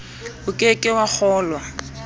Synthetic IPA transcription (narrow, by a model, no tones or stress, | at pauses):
ʊkʼekʼɪwak͡xʰɔːlwa